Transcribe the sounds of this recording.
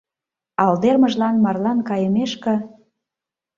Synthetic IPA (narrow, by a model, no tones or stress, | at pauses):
ɑld̪erməʒlɑnmɑrlɑnkɑjəmeʃkə̆